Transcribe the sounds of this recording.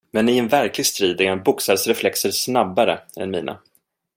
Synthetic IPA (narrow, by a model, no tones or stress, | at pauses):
mɛnɪɛnvæɾklɪɡst̪ɾiːd̪æɾabʊksaɾsɾɛflɛksəɾsnabːaɾəɛ̰nmiːna̰